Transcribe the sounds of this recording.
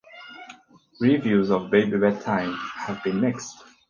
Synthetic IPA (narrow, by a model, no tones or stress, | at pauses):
ɹivjuzɔvbeɪbiwɛd̚tʰãɪ̃mhævbĩnmɛkst